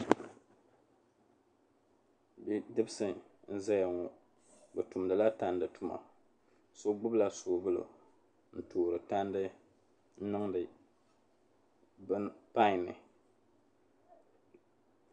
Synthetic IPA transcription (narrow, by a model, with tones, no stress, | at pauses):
bi˦dɨ˦bsɨ˨n̩˦za˦ja˨ŋo˨ | bɨ˨tu˨mdɨ˨la˦ta˦ndɨ˨tu˨ma̰˨ | so˦ɡ͡bʊ˦bla˦soː˨bɨ˦lo̰˨ | n̩˨toː˨ɾɨ˨ta˦ndɨ˦ | n̩˦nɨ˦ŋdɨ˨ | bɨ˦npa˦ɪ˨nɨ̰˨